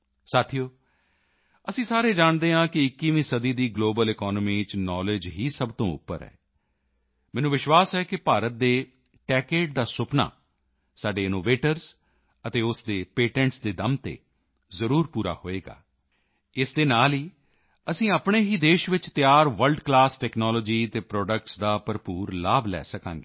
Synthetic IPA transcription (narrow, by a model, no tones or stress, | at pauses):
saːt̪ʰijoː | əsĩːsaːɾeːd͡ʒaːɳ̃d̪eːɦãːkɪɪkːiːʋĩːsəd̪iːd̪iːɡloːbəlɪkɔːnmiːt͡ʃnɔːlɪd͡ʒɦiːsəbt̪õ̰ːʊ̰pːə̰ɾɛ̰ː | mɛːnũːʋɪʃwaːsɛːkɪpaːɾət̪̚d̪eː | ʈɛːkeːʈ̚d̪aːsʊpna̰ː | saːɖeːɪnoːʋeːʈəɾz | ət̪eːʊsd̪eːpeːʈɛ̃ːɳʈsd̪eːd̪əmt̪ḛː | zəɾuːɾpuːɾa̰ːho̰ːeːɡa̰ː | ɪsd̪eːnaːliː | əsĩːapɳeːɦiːd̪eːʃʋɪt͡ʃt̪jaːɾʋəlɖklaːsʈɛːknɔːlɔːd͡ʒiːt̪eːpɾɔːɖək̚ʈsd̪aːpəɾpuːɾlaːblɛ̰ːsəkãːŋɡeː